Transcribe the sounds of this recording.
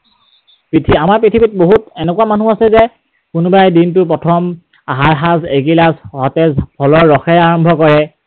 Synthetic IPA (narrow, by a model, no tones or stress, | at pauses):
pɹitʰiamaɹpɹitʰibit̚boɦutɛnɛkuwamanuasɛzɛ | kʊnʊbajdintʊp̬ɹɔtʰɔm | aɦaɹɦazeɡilasɦɔtɛzpʰɔlɔɹːɔxɛjaɹɔmbʱɔkɔɹɛ